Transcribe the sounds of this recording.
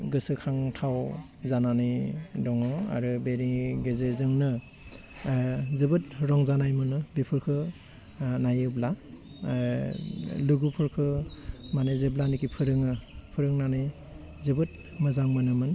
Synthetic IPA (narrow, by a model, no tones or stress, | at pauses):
ɡɯsɯkʰaŋtʰaw | zananidɔŋɔa̰ɾɯbeɾiɡezezɯŋnɯ | zɯbɯt̚ɾɔŋzanajmɯnɯbipʰɯɾkʰɯ | najɯbla | luɡupʰɯɾkʰɯmanezɯblanikipʰɯɾɯŋɯpʰɯɾɯŋnani | zɯbɯt̚ | mɯzaŋmɯnɯmɯn